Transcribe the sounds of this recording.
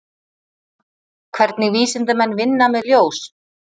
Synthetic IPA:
kʰvɛɾt̪nɪɣviːsɪnt̪ʏmɛnːvɪnːamɛðljoːws

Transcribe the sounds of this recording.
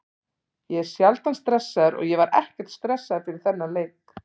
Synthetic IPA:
jɛɛɾ̥sjalt̪anst̪ɾɛsːaðɾɔ̰ɣjɛvaɾɛ̰hcɛɾ̥t̪st̪ɾɛsːaðt̪ʰɪlθɛnːaleːjk

